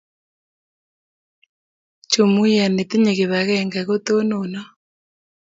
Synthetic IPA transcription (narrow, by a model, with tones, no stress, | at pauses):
t͡ʃo˨mu˦a˨ne˨ti˦ɲe˨ɣe˨βa˨ɣɛŋɡa˨ɣo˦to˦nonɔ˦